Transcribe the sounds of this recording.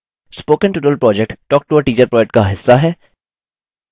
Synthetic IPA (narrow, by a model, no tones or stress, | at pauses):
spoːkə̃nʈuːʈəlpɾɔːd͡ʒɛk̚ʈʈɔːk̚ʈuːəɾʈiːt͡ʃəɾpɾɔːd͡ʒɛkʈ̚kaɦɪsːaɦɛː